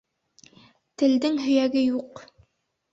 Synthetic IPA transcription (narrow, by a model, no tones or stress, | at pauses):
t̪ɘ̆ld̪ɘŋɦɵ̆jæɡɘjuq